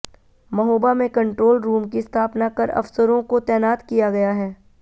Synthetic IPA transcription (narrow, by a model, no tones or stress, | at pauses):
mɐɦoːbamẽkɐ̃ɳʈɾoːlɾuːmkiɪst̪ʰaːpnakɐɾɐ̰fsəɾõkot̪ɛːnaːt̪kijaɡɐjaɦɛː